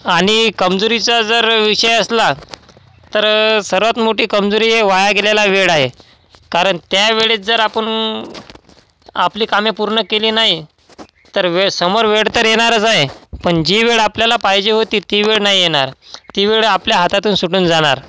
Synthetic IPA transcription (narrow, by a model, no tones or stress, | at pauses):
aɽ̃ikəmd͡zoɾit͡sad͡zəɾʋiʂəjəsla | t̪əɾsəɾʋat̪moʈiːkəmd͡zoɾiːeʋajaɡelalaʋeɭaɦe | kaɾəɳt̪jaʋeɭiːt̪̚d͡zəɾapəɳ | apliːkamjepuɾɳəkeliːnaɦi | t̪əɾʋesəmoɾʋeɽt̪əɾjeɽ̃aɾət͡saɦepəɳd͡ʑiʋeɭapljalapaɦjd͡ʑeɦot̪iːt̪iːʋeɭnaɦijeɽ̃aɾt̪iʋeɭapljaɦat̪at̪uːnsuʈuːnd͡zaɽ̃aɾ